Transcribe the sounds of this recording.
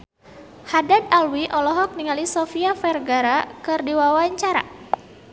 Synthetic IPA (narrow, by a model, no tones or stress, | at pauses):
hadad̪alwiʔɔlɔɦɔk̚niŋalisɔfiafɛrɡaɾakɨrdiwawaɲt͡ʃaɾa̰